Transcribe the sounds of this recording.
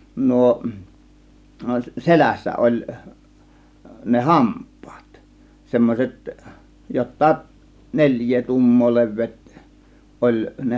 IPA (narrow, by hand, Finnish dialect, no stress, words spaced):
nuo selæsːæ ʔolʲ ne hɑmpˑɑ̥ːt semːosʲet jotːɑːʔ nelʲjˑeː tuːmːoː le̞ʋˑeːt olʲ ne